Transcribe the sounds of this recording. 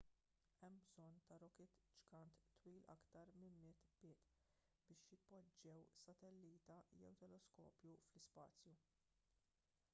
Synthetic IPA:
ɛmbzɔnːt̪ɐɾɔkɛt̪d͡ʒkɐnt̪ːwiːlʔɐ̰kt̪ɐɾmɪlmɪt̪ːb̥ɪːt̪ | bɪːʃjɪpːɔd͡ʒːɛwsɐt̪ɛlːiːt̪ɐjɛ̰wt̪ɛlɔskɔ̰ːpjuflɪspɐ̰ːt͡sju

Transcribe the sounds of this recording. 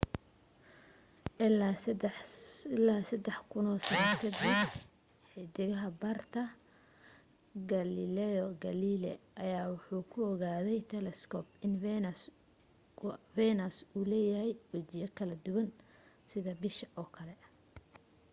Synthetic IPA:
ɪl | laːsɐd̪ɛħkʰʊnɔːsɐɣat̪ʰɐd̪ɪ | ħɛd̪ɪɣɐɦɐbɐrt̪ʰɐ | ɡɐlɪlɛɔɡɐlilɛ̰ʔɐjaːwʊħuːkʰʊɔɣaːðɛjt̪ʰɛlɛskʰɔːpɪn | fɛnɐsuːlɛːjɐhɛjwɛt͡ʃɪjɐkʰɐlɐd̪ʊwɐn | sɪðɐbɪʃɐʔɔːkʰɐlɛʔ

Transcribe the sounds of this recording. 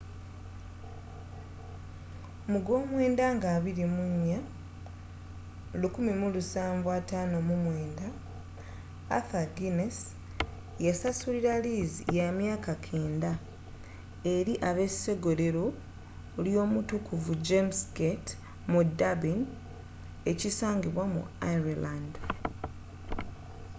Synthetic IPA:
omuɡo̞ːmwe̞ːndaŋɡaːβiɾimuɲːa | lukumimulusaːɱvwataːno̞mumwe̞ːnda | faɡines | jasasuliɾaliːzḭjamjaːkakʰe̞ːnda | e̞ɾiʔaβe̞se̞ɡo̞ɾe̞ɾo̞ | ljo̞ːmutukuvud͡ʒemsɡet | mudabin | e̞cisaːŋɡiβwamṵaiɾland

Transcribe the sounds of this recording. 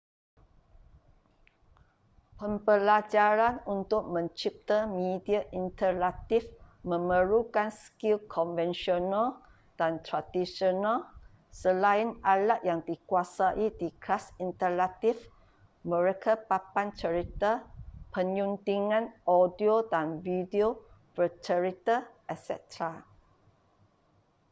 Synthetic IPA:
pəmbəlad͡ʒaɾanunt̪ʊk̚mə̃ɲt͡ʃip̚t̪əmidiaʔint̪əlat̪ifmə̃məɾukanskilkʰɔnvɛnʃional | d̥ant̪ɾadisonal | səlaɪnalat̪̚jaŋdikuasaʔidiklasint̪əlat̪if | məɹekəpapant͡ʃəɹit̪əpəɲũnt̪iŋãnɔdiodanvidiopət͡ʃəɹit̪ə | ɛsɛ̰t̪ɹa

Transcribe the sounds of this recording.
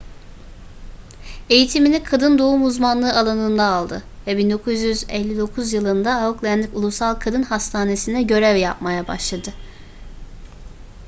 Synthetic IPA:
e̞jit̪ʰiminikʰad̪ɯnd̪o̞umuzmanlˠɯːalˠanɯnd̪aːlˠd̪ɯvɛbind̪o̞kʰuzjyzɛlʲːid̪o̞kʰuzjɯlˠɯnd̪aːuklʲˠænʲikulˠusalˠkʰad̪ɯnhast̪ʰaːne̞sinɛɟø̞ɾɛvjap̚majaba̰ʃlˠad̪ɯ

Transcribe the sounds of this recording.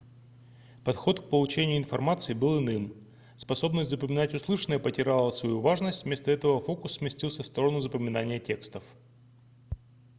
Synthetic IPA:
pɐt̪xo̞t̪k̚pəlˠʊt͡ɕenʲɪjʊɪnfɐrmat̪sɨɪbɨlˠɪnɨm | spɐso̞bnəsʲtʲzəpəmʲɪnatʲʊslˠɨʂənəjəpətʲɪɾʲalˠəsvɐjuvaʐnəsʲtʲvmʲe̞st̪əɛt̪əvəfo̞kʊsːmʲɪsʲtʲilˠsʲəfst̪o̞ɾənʊzəpəmʲɪnanʲɪjətʲe̞kst̪əf

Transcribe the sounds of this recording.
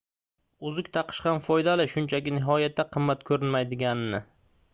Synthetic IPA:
ʊzʊk̚ʲt̪ʰɑqʰɨ̥ʃqɑnfɒjd̪alɪʃʊnt͡ʃʰakʲɪnɪɦɒjat̪ʰːaqʰɨmːat̪kʰɵɾɪnmajd̪ɪɡʲanɪnɪ

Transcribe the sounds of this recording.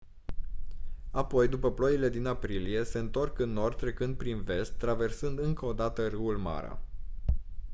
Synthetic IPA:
apo̞jd̪upəplo̞jile̞d̪inapɾilije̞se̞ɨnt̪o̞rkɨnːo̞rd̪̚t̪ːɾe̞kɨnd̪̚pɾinve̞st̪ːɾave̞rsɨnd̪ɨŋkəod̪at̪ərɨwulma̰ɾa̰

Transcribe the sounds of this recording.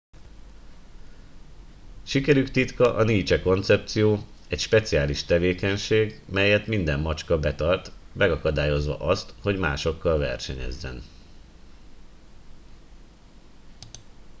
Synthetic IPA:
ʃikɛɾykt̪it̪kɒʔɒniːt͡ʃɛko̞nt̪sɛp̚t̪sijoː | ɛcʃpɛt̪sijaːliʃt̪ɛveːkɛɲʃeːɡmɛjɛt̪mind̪ɛmːɒt͡ʃkɒbɛt̪ɒrt̪mɛɡɒkɒd̪aːjo̞zʋɒ̰ʔɒst̪ho̞ɟma̰ːʃo̞kːɒlvɛ̰rʃɛɲɛ̰zːɛ̰n

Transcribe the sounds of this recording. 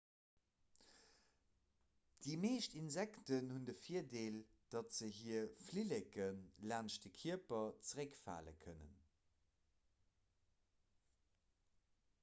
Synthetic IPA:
d̥imeːʃtinzæktənhundəfiːɐdeːld̥ɑtz̥əɦiːɐflilekənlaːnʃdəkʰiɐpɐt͡səʁəkfa̰ːlə̰kʰənə̰n

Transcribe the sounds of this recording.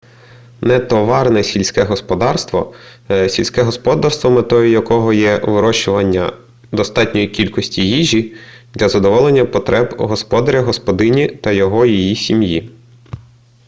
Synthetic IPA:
nɛt̪ɔʋɑrnɛsʲilʲsʲkɛɦɔspɔd̪ɑrst̪ʋɔ̰sʲilʲsʲkɛɦɔspɔd̪ɑrst̪ʋɔmɪt̪ɔjʊjɐkɔɦɔjɛʋɪɾɔʃʊʋɐnʲːɐ̰ | d̪ɔst̪ɑtʲnʲɔjikʲilʲkɔsʲtʲiɦiʒʲid̪lʲɐzɐd̪ɔʋɔlˠenʲːɐpɔt̪ɾʔɛbɦɔspɔd̪ɐɾʲɐɦɔspɔd̪ɪnʲit̪ɐjɔɦɔjijisʲimji

